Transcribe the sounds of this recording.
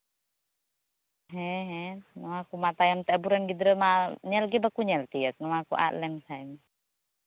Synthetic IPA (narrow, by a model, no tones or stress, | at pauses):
ɦɛɦɛnɔakumat̪ajamt̪ɛabuɾanɡid̪ɾəmaɲɛlɡɛbakuɲɛlt̪ijək̚nɔakṵʔa̰ʔlɛmsaɛm